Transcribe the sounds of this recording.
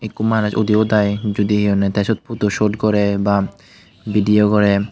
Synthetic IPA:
ekːumanuʃod̪iod̪ajd͡ʑud̪iɦionet̪ɛʃot̪̚pʰut̪oʃoʈkɔɾeba | biɖiokɔɾe

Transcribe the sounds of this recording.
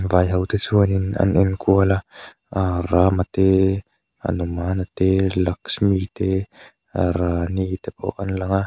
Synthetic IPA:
vajɦawt̪esuanina̰nenkʰuala | aɾamat̪e | a̰numanat̪elaksmit̪e | aɾanit̪epʰo̰ʔanlaŋa

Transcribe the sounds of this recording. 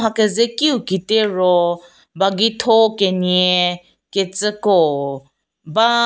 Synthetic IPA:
ɦakezekiukiteɹo | baɡitʰokenie | ket͡səko | ba

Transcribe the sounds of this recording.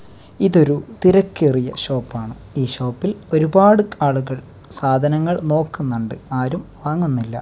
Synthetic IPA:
iðo̞ɾut̪iɾɐkːerijɐɕo̞ːpːaːɳɨ | iːɕo̞ːpːilo̞ɾubaːɽɨaːɭuɣɐɭ | saːd̪ʱɐnɐŋːɐɭno̞ːkːunːɐɳɖɨaːɾumʋaːŋːunːilːɐ̰

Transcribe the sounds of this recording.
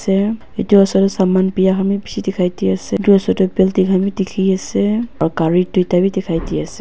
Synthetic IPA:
sɛ | etuɔsɔtɔsamanpijaxamibisidɛkʰajtiasɛduɔsɔtɔbɛltiɡʰʱamidikʰiasɛakaɹitujtabidɛkʰajtiasɛ

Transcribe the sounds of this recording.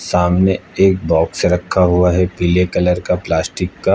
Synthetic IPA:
saːmneeːk̚bɔːkseɾɐkʰːaɦuaɦɛpilekɐləɾkaplaːsʈɪkːa

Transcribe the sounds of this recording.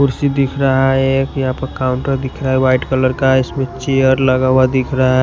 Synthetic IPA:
kʊɾsid̪ikʰɾaɦaekjəɦãpəɾkaʊɳʈəɾd̪ɪkʰɾaɦɛwaɪʈkələɾkaɪsmẽt͡ʃejəɾləɡawad̪ɪkʰɾaɦa

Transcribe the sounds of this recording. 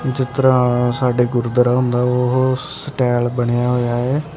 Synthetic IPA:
d͡ʒɪt̪əɾãːsaːɖeːɡʊɾd̪əɾaːɦʊ̃nd̪aːoɦo | səʈɛːlbəɽ̃ejaːɦoːjaːɛː

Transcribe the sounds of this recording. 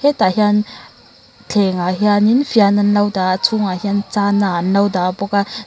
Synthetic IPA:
hɛtahian | t͡ɬʰɛŋaɦianinfʰiananlɐwdat͡sʰuŋahiant͡sananlawdabɔka

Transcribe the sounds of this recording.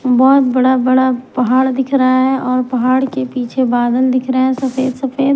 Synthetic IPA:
bɔːt̪bɐɽabɐɽapɐɦaːɽd̪ɪkʰɾɐɦaɦɛʔɔːɾpɐɦaːɽkepiːt͡ʃʰebaːd̪əld̪ɪkʰɾɐɛ̃sɐfeːd̪sɐfeːd̪

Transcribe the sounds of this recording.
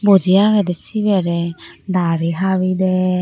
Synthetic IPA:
bud͡ʒiaɡɛdɛsibɛɾɛdaɾiɦaβidɛ

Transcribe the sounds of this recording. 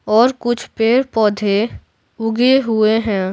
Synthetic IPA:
ɔːɾkʊt͡ʃʰpeːɾpɔːd̪ʱe | ʊɡeɦʊeɦɛ̃ː

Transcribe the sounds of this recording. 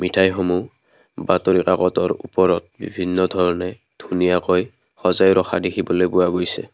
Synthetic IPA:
mitʰajxomu | batoɹikaɡɔtɔɹupɔɹɔt̚bibʱinːɔdʱɔɹɔnɛ | d̥ʱunijakɔj | xɔzajɹʔɔxʰa̰dekʰibɔlojbʊaɡojsɛ̰

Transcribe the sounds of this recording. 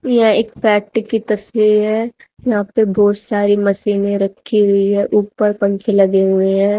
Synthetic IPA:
jɐɦãeːkfɛːʈkit̪ɐsʋiɾɦɛː | jɐɦãːpebɔːt̪saːɾimɐsiːnẽɾɐkʰːiɦʊiɦɛʔuːpəɾpɐ̃ŋkʰẽlɐɡeɦʊeɦɛ̃ː

